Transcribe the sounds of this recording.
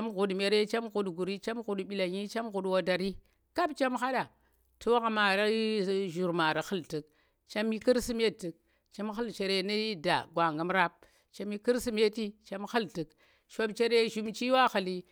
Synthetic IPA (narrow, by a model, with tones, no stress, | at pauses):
a˦mɣu˨dme˨ɾe˦t͡ʃa˦mɣu˨dɡu˨ɾi˦t͡ʃa˦mɣu˨ɗɓi˨la˨ɲi˦t͡ʃa˦mɣu˨ɗwa˦da˨ɾi˦ | ka˦bt͡ʃa˦mxa˦ɗa˨ | tʰu˦wɣa˦ma˨ɾa˦ʒu˨ɾma˨ɾa˨xə˦lti˨k̚ | t͡ʃa˦mi˦ki˦ɾsi˦me˦tːi˨k̚ | t͡ʃa˦mxə˦lt͡ʃe˨ɾe˦ni˦i˦da̰˨ɡwa˨ŋɡa˦mɾa˦p̚ | t͡ʃa˦mi˦ki˦ɾsi˦me˦ti˦t͡ʃa˦mxi˦lti˨k | ʃa˦bt͡ʃe˦ɾe˦ʒu˦mt͡ʃi˦wa˦xa˨li˦